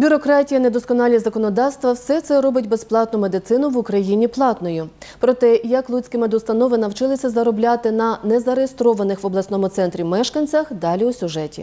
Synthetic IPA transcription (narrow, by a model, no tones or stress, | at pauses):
bʲʊɾɔkɾɑtʲijɐned̪ɔskɔnɑlʲizɐkɔnɔd̪ɑwst̪ʋɐwsɛt̪sɛɾɔbɪtʲbesplˠɑt̪nʊme̞d̪ɪt̪sɪnʊʋʊkɾɐjinʲiplˠɑt̪nɔjʊpɾɔt̪ɛjɐklˠut͡sʲkɪmed̪ʊst̪ɐnɔʋɪnɐwt͡ʃɪlˠɪsʲɐzɐɾɔblʲat̪ɪnɐnɛzɐɾejest̪ɾɔʋɐnɪxʋɔblˠɐsnɔmʊt̪sɛnt̪ɾʲimɛʃkɐnʲt͡sʲɐxd̪ɑlʲiʊsʲʊʒɛtʲḭ